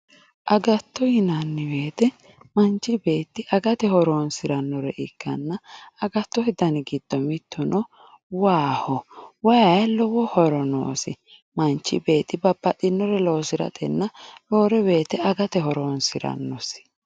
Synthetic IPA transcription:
ʔɐɡɐt̪ːɔjɪnɐnːɪwe̞ːt̪ɛ | mɐnt͡ʃːɪbe̞ːt̪ːɪʔɐɡɐt̪ɛhɔɾoːnsɪɾɐnːɔɾɛʔɪkːɐ̰nːɐɐɡɐt̪ːɔhɛd̪ɐnɪɡɪd̪̥ːɔmɪt̪ʰːɔnɔ | waːhɔwɐjɐjlɔwɔhɔɾɔno̰ːsɪ | mɐnt͡ʃːɪbe̞ːt̪ːɪbɐbːɐɗɪnːɔɾɛlo̞ːsɪɾɐ̰t̪ʼɛnːɐlo̞ːɾɛbeːt̪ɛɐɡɐt̪ɛɦɔɾoːnsɪɾɐ̰nːɔsɪ̥

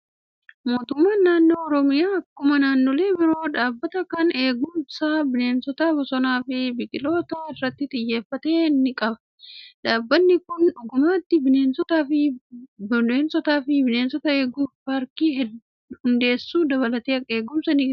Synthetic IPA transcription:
mo̞ːt̪ʊmːaːnːaːnːo̞ːɔɾɔmɪjaːɐkːʊmɐnaːnːoːle̞ːbɪɾo̞ːᶑaːbːɐt̪ɐkɐne̞ːɡʊmsɐbɪne̞ːnsɔt̪ɐbɔsɔnaːfɪbɪɡɪlo̞ːt̪ɐɪrːɐt̪ːɪt̪ʼɪjːe̞ːfːɐt̪e̞ːnːɪkʼɐbɐ̥ | ᶑaːbːɐnːɪkʊnᶑʊɡʊmaːt̪ːɪbɪne̞ːnsɔt̪aːfɪ | ne̞ːnsɔt̪aːfɪbɪne̞ːnsɔt̪ɐe̞ːɡuːfbaːɾkiːɦɛ | hʊnd̪e̞ːsːuːd̪ɐβɐlɐt̪eːɐe̞ːɡʊmsɐnɪ

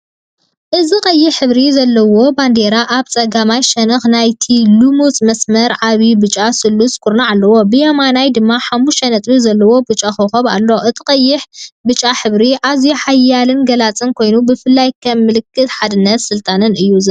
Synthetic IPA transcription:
ʔɨziqʼɐjːɪħɨβɾizɐlːɐwo̞band̪eɾaʔaβt͡sʼɐɡamajʃɐnɐxnajt̪ʰilumut͡sʼmɐsmɐɾʕaβibɨt͡ʃʼasɨlːusʼkʰʊɾnaʕalːɐwo̞bɨjamanajd̪ɨmːaħamːuʃɐnɐt̪ʼbizɐlːɐwo̞bɨt͡ʃʼaxoxɐβa̰lːo̞ʔɨt̪ʰikʼɐjːɪħbɨt͡ʃʼːaħɨβɾiʔazjuħajːalɨnɡɐlat͡sʼɨnkʰo̞jnubɨfɨlːajkʰɐmːɨlɨkʰːɨt̪ħad̪ɨnːɐt̪sɨlt̪ʼanɨnɨjːuzɐ

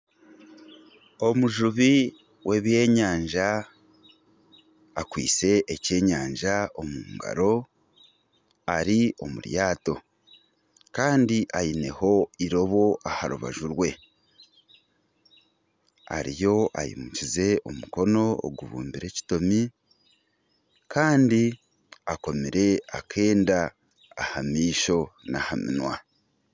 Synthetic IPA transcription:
o̞muʒuβi | wʔe̞βje̞ːɲaːɲʒa | kwḭːt͡se̞ʔːce̞ːɲaːɲʒao̞muːŋɡa̰ɾo̞ | aɾio̞̰muɾjaːto̞ | kaːndiʔajine̞ho̞iɾo̞βo̞ʔahaɾuβa̰ʒuɾwe̞ | a̰ɾijo̞ajḭmucize̞o̞muko̞no̞o̰ɡuβṵːmbiɾe̞ːci̥to̞mi | kʰaːndi | ako̞miɾe̞akʰe̞ːndaː | hamiːʃo̞nahamḭnwa

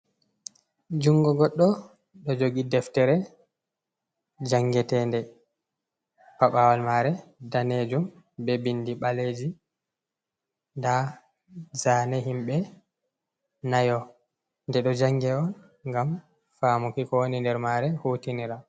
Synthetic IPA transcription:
d͡ʒuŋɡɔɡɔɗːɔ | ɗɔd͡ʒoɡidɛftɛɾɛ | d͡ʒaŋɡɛtɛndɛ | paɓawalmaɾɛdaned͡ʒum | bɛbindiɓaled͡ʒi | nda | zaːnɛɦimɓɛ | najɔ | ndɛɗɔd͡ʒaŋɡɛɔn | ŋɡam | famukikɔwonindɛɾmaɾɛhuːtiniɾa

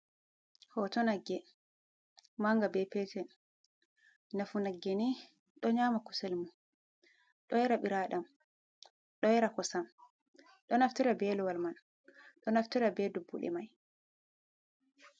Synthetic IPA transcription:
hɔtɔnaɡːɛ | maŋɡabɛpɛtɛn | nafunaɡːɛni | ɗɔɲaːmakusɛlmu | ɗɔjɛɾaɓiɾaɗam | ɗɔjɛɾakɔsam | ɗɔnaftɛɾabɛluwalman | ɗɔnaftɛɾabɛdubːṵɗɛ̰maj

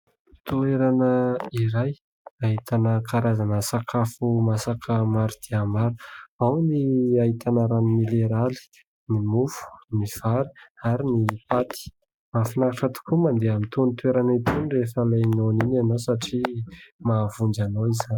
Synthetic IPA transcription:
t̪ueɾanəiɾaj | aɦit̪anəkaɾazanəsakʰafumasakʰəmaɾud̪̥eamaɾu̥awniaɦit̪ʰanəɾanimileɾali̥ | nimufu̥niv̥aɾi̥aɾinipat̪i̥ | mafinakaʈ͡ʂət̪u̥kumand̪eamint̪unit̪ueɾanat̪unirefəlanoninanowsaʈ͡ʂimavund͡ʒanoizani̥

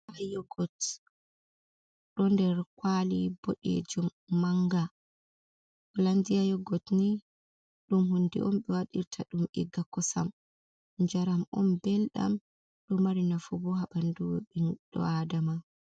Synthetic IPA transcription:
ʔajɔɡɔt | ɗɔndɛɾkwaliboɗḛd͡ʒumːaŋɡa | ɔlandijajɔɡɔtni | ɗumhundɛ̰ʔɔmɓɛwaɗiɾtʰaɗumʔɛ̰ɡakːɔsa̰m | ɲd͡ʒaɾamɔmbɛlɗa̰m | ɗɔmːaɾinafubɔɦaɓanduwɓɛnɗɔ̰adama

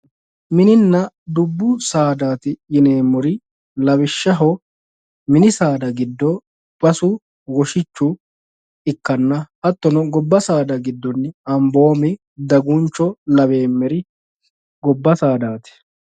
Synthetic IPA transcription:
mɪnɪnːɐ | d̪ʊbːʊsaːd̪aːt̪ɪjɪneːmːɔɾɪ | lɐbɪʃːɐɦɔ | mɪnɪsaːd̪ɐɡɪd̪ːɔ | b̥ɐsʊ | wɔʃɪt͡ʃːʊ | ɪkːɐnːɐɐt̪ːɔnɔɡɔbːɐsaːd̪ɐɡɪd̪ːɔnːɪɐmbo̞ːmɪ | d̪ɐɡʊnt͡ʃːɔlɐbe̞ːmːɛɾɪ | ɡɔbːɐsaːd̪aːt̪ɛ̥

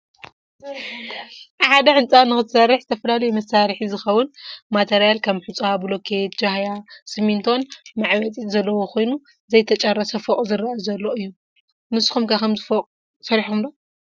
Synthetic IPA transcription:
ħad̪ɐʕɨnt͡sʼanɨxɨt̪sɐrːɨħzɨt̪ʰɐfɐlalɐjumɐsaɾħizɨxɐwːʊnmat̪ʰeɾijalkʰɐmħut͡sʼabulokʰet̪d͡ʒahjasɨmint̪ʰo̞nmaʕwɐt͡sʼizɐlːɐwoxʰo̞jnu | zɐjt̪ʰɐt͡ʃʼɐrːɐsɐfokʼuzɨɾɐʔɐzɐlːo̞ʔɨjːu | mɨsxumkʰakɐmzɨfokʼ | sɐɾiħkʰumdo

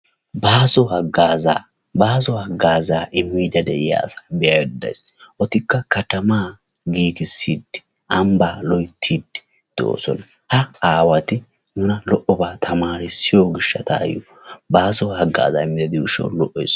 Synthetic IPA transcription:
baːsɔhɐɡaːzaː | baːsɔhɐɡːaːzaːʔɪmːiːd̪ɐd̪ɛʔɪja̰ːsḁːbɪjaːjɛd̪ɐ̰js | ʔɔt̪ɪkːɐkɐt̪ɐmaː | ɡiːkɪsːiːd̪ɪ̥ | ʔɐmbaːlɔjt̪ʰːiːd̪ɪ̥ | d̪̥o̰ːsɔ̰nɐ | hɐaːwɐt̪ɪ | nʊnɐlɔʔɔbaːt̪ʰɐmaːɾɪsːɪjoɡɪʃːɐt̪a̰ːjɔ̰ | baːsɔhɐɡːa̰ːza̰ːɪmːɪd̪ɐd̪ɪʊʃɐ̰wlɔʔɔjs

